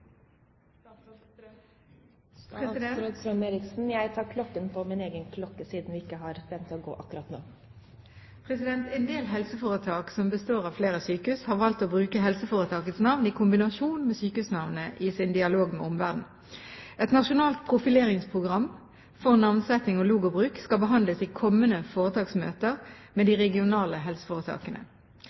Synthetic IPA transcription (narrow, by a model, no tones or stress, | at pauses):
eɾɪksn̩jæɪt̪ʰɑːkʰlɔkːənpʰɔmɪneːɡənkʰlɔkːəsiːd̪n̩ʋɪɪkːəhɑɾʋɛnt̪ʰːɔɡo̰ːʔɑkːɾɑt̪no̰ː | pʰʁɛsɪd̪ɛnt̪ɛnd̪eːlɦɛlsəfoːʁət̪ʰɑːksɔmbəst̪oːʁɑʋfleːʁəsyːkəʉshɑʁʋɑlt̪oːbʁʉːkəɦɛlsəfoːʁət̪ʰɑːkət̪snɑʋnɪkʰʊmbɪnɑʃuːnmɛsyːkəʉːsnɑʋnəʔɪsɪnd̪ɪɑloːɡmɛ̰ʊmʋæʁd̪n̩ | ɛt̪nɑʃʊnɑːlt̪̚pʰʁʊfɪleːʁɪŋspʰʁʊɡʁɑmː | fɔʁnɑʋnsɛt̪ɪŋɔluːɡʊbʁʉːkskɑlbəɦɑnd̪ləsɪkʰɔmːənəfoːʁət̪ɑːksmø̰ːt̪əʁmɛːd̪ɪʁɛɡɪʊnɑːləɦɛlsə̥foːʁət̪ʰɑ̰ːkənə̰